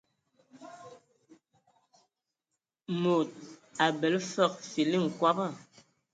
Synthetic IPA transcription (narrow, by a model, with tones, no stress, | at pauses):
mo˨t̚a˨bɛ˨lfə˦˨k̚fi˨li˦˨ŋ̩˨kwa˦bə˦˨